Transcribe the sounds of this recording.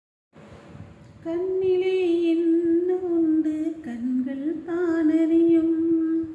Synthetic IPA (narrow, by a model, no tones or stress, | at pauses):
kɐnːɪleːɪnːɯʊnd̪ɯkɐnɡɐɭt̪aːnɐɾɪjɯm